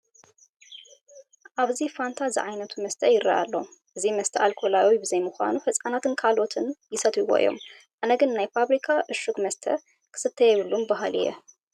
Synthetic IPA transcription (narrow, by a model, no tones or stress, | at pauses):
ʔaβzifant̪ʰazɨʕajnɐt̪ʰumɐst̪ʰɐjɪɾɐ̰ʔa̰lːoʔɨzimɐst̪ʰɐalkʰolawibɨzɐjmuxʷa̰nufɐt͡sʼanat̪ʰɨnkʰalo̞t̪ʰɨnjɪsɐt̪ʰiwoʔḭjːo̞̰m | ʔanɐɡɨnnajfaβɾikʰaʔɨʃuɡmɐst̪ʰɐ̰ | kʰɨ̥sɨt̪ʰːɐjɛjwulːumbaɦalḭjɛ̰